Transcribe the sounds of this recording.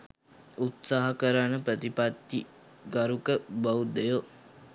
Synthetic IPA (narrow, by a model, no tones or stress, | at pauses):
ut̪saːɦɐkəɾanəpɾət̪ipat̪ːi | ɡaɾukəbaud̪ejo